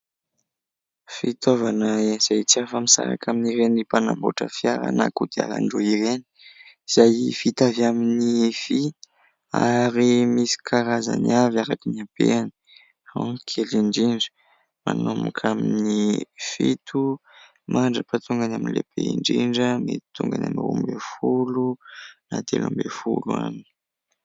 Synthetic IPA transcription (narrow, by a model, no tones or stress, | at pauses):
fit̪ovanəenz̥ajt͡siafəmisa̰ɾa̰kʰaminiɾenipanambo̰ʈ͡ʂəfjaɾa̰na̰kud̪̥ia̰la̰ɳɖ͡ʐoiɾeni̥iz̥ajfit̪aviaminifi | a̰ɾimisi̥kʰaɾaza̰niavjaɾakinapḛani̥ | hankʰeliɳɖ͡ʐiɳɖ͡ʐə̥ | manomukʰaminnifit̪ʰu | mʔaɳɖ͡ʐəpat̪uŋɡanaminilepeiɳɖ͡ʐiɳɖ͡ʐəmet̪i̥t̪uŋɡananirumbefulunat̪elambefṵlua̰ni̥